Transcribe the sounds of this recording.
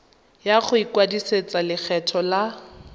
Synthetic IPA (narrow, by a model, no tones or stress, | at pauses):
jaχʊikwadiset͡salɪk͡xʰɛtʰɔla